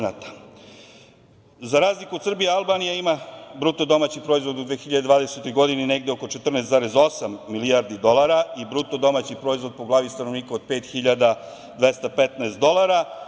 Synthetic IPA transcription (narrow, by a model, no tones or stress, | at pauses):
nat̪ḁ | zaɾaːzlikuod̪sr̩bijealˠbaːnijaimabɾut̪od̪o̞maːt͡ɕipɾo̞izʋo̞d̪ud̪ʋeːxiʎad̪ed̪vaːd̪eset̪o̞jɡo̞d̪inineɡd̪eoko̞t͡ʃe̞t̪r̩nɛst̪zaːɾezo̞samːilijaɾd̪id̪o̞lˠaɾaibɾut̪od̪o̞maːt͡ɕipɾo̞izʋo̞d̪̚poɡlˠaːʋist̪ano̞ʋniːkaod̪̚peːt̪xiʎad̪a | d̪ʋest̪apet̪naest̪d̪o̞laɾa